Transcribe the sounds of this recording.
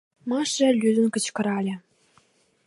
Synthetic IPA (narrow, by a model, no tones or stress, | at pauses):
mɑʂɘ̆lʲyzɘ̆nkɤ̆t͡ɕkɤ̆ɾɑlʲĕ